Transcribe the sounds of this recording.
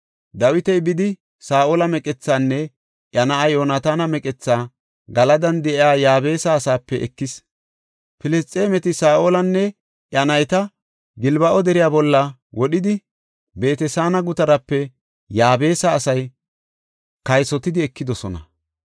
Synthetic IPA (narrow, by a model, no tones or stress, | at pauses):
d̪ɐwɪt̪ɛjbɪd̪ɪ | saːʔoːlɐmɛkʼɛt͡sːaːnːɛ | ʔjɐnɐʔɐjoːnat̪aːnɐmɛkʼɛt͡sːaː | ɡɐlɐd̪ɐnd̪ɛʔɪaːjaːbe̞ːsɐːsaːpːɛɛkːɪs | pɪlɛst͡sʼːeːmɛt̪ɪsaːʔoːlɐnːɛ | ʔjɐnɐjt̪ɐ | ɡɪlbɐʔɔd̪ɛɾɪjaːbɔlːɐwɔɗɪd̪ɪ | be̞ːt̪ɛsaːnɐɡʊt̪ɐɾɐpːɛ | jaːbe̞ːsɐːsɐj | kɐjsɔt̪ɪd̪ɪɛkːɪd̪ɔsɔnɐ̰